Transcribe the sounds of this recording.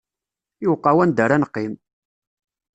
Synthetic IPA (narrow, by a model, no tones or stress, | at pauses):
juwqːɑwænd̪əɾanəqːim